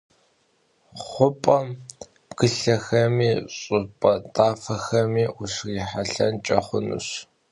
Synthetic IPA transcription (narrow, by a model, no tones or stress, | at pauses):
χʷʊpʼɐm | b̥ɡ̥ɨɬɐxɐmiːɕʼɨpʼɐtʼaːfɐxɐmiːʔʊʂriːħaɬɐ̰nt͡ʃʼɐχʷʊnṵɕ